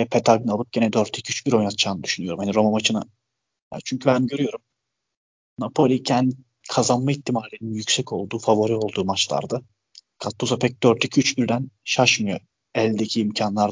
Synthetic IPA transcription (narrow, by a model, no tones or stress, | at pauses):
ɛpʰet̪ʰaɡnalˠɯp̚ɟ̥e̞nɛd̪øɾt̪ʰʲicʰyt͡ʃbiɾo̞jnat̪ʰt͡ʃʰaːnɯd̪y̥ʃynyjo̞ɾumhaniɾo̞manmat͡ʃʰɯna̰ | ja̰t͡ʃʰyɲcʰybænɟøɾyjo̞ɾum | napʰo̞lʲicʰæn | kʰazanmait̪ʰːimaɾlʲːeninjycʲsɛco̞lˠd̪uːfavoɾio̞lˠd̪uːmat͡ʃlˠa̰ɾd̪ɯ | kʰat̪ʰːuzapʰɛc̚d̪̥øɾt̪ʰicʲʰyt͡ʃbiɾd̪ænʃaʃmɯjo̞ | ɛlʲd̪ecʰiːmcʰanlˠaɾ